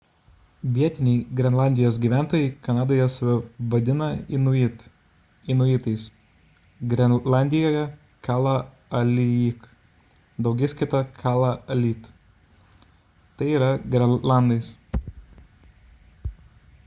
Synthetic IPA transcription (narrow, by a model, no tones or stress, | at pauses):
ʋʲiɛt̪ʲɪnʲɛɪɡɾʲɛnlˠɑˑnʲd̪ʲɪjoːs̬ɡʲiːʋʲæˑnt̪oːjɛɪkɐnɑːd̪oːjɛsɐʋʲɪʋɐd̪ʲɪnɐɪnʊit̪ | ɪnʊjiːˑt̪ɐɪs | ɡɾʲɛlˠɑˑnʲd̪ʲɪjoːjɛ | kɑːlˠɐ | ɐlʲɪik | d̪ɐʊɡʲɛɪskʲɪt̪ɐkʰɑːlˠɐɐlʲiːt̪ | t̪ɐɪiːɾɐɡɾʲɛlˠɑˑnd̪ɐɪs